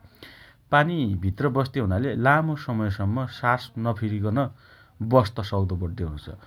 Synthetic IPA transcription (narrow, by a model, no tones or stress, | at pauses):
panibʱit̪rʌbʌst̪iɦunalelamosʌmʌjsʌmːʌsasnʌpʰiɾikʌnʌ | bʌst̪ʌsʌwd̪obʌɽd̪eɦunt͡sʰʌ̰